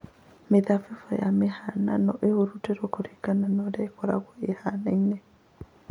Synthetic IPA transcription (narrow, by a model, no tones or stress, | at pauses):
meðafifɔjamehana̰nɔʔehoɾutɛɾokoɾekananɔɾaekɔɾa̰ɣɔehanainɛ